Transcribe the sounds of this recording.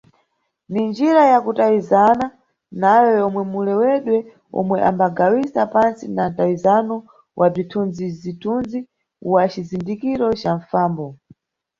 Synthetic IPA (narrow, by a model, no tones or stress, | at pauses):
nind͡ʒiɾajakutawizana | najɔjɔmwɛmulɛwɛɗwɛ | ɔ̰mwɛʔa̰mbaɡawisapansinantawizanɔ | wʔab͡ʐitʰunzizitʰunzi | wat͡ʃizindikiɾɔt͡ʃaɱfaːmbɔ